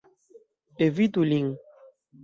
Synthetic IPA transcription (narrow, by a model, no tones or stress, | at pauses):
evit̪uliŋ